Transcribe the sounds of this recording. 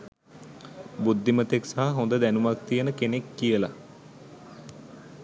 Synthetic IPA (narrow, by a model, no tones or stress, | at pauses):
bud̪ːimət̪eksaɦaɦõnd̪əd̪ænumak̚t̪ijənəkenekːijəla̰